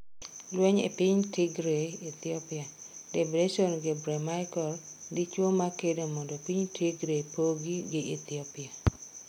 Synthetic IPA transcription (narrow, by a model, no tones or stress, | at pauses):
lweɲḛpiɲtiɡɾeet̪iɔpɪa | debɾeʃɔnɡɪbɾɛmaɪkɔlɡɪt͡ʃwomakedomɔndopiɲtʰiɡɾepoɡiɡɪʔet̪iɔpɪa